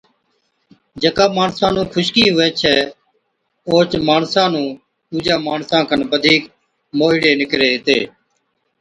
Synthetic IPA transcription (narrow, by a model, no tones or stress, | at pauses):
d͡ʒəkaːmaːɳsãːnũːkʰʊʃkiːɦʊʋɛːt͡ʃʰɛː | oːt͡ʃmaːɳsãːnũː | t̪uːd͡ʒãːmaːɳsãːkənbəd̪ʱiːk | moːɦɪɽeːnɪkɾeːɦɪt̪ḛː